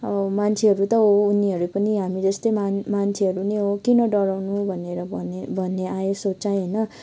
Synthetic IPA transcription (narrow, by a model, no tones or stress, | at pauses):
ʌmant͡sʰeɦʌɾut̪ʌɦouniɦʌɾupʌniɦamid͡zʌst̪ʌjmamant͡sʰeɦʌɾuneɦokinʌɖʌɾawnubʱʌneɾʌbʱʌnbʱʌnːeajosot͡sajɦʌjnʌ